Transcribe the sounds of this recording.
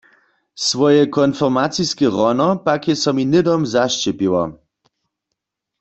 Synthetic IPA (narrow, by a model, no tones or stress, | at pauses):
svɔjɛkɔnfɔʁmat͡siskɛʁɔnɔpakjɛsɔminɪdɔmzaʃt͡ʃɛpiwɔ̰